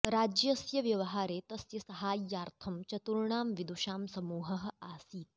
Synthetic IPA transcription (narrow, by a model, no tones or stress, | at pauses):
ɾaːd͡ʒjɐsjɐʋjɐʋɐɦaːɾeːt̪ɐsjɐsɐɦaːjːaːɾt̪ʰɐmt͡ʃɐt̪uɾɳaːmʋid̪uʃaːmsɐmuːɦɐɦɐ̆aːsiːt̪̚